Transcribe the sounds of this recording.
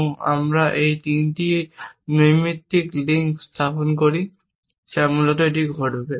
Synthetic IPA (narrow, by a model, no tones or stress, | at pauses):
a̰mɹaʔejtintinojmitːikliŋkstʰapɔnkoɹi | samulɔtɔet̬iɡʱɔɹdʱobɛ